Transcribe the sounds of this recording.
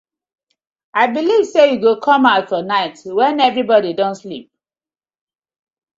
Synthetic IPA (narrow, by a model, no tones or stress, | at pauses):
aɪbiliv̥sejuɡokʰɔ̃maʊtfɔnaɪtwɛ̃nɛvɹibɔdidɔ̃ntslip̚